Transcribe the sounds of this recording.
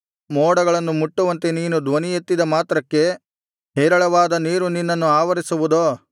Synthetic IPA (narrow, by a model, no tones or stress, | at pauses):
mɔːɽɐɡɐɭɐnːumuʈːuʋɐnt̪e̞niːnud̪ʋɐnijet̪ːid̪ɐmaːt̪ɾɐkːe̞ | ɦeːɾɐɭɐʋaːd̪ɐniːɾuninːɐnːuaːʋɐɾisuʋud̪oː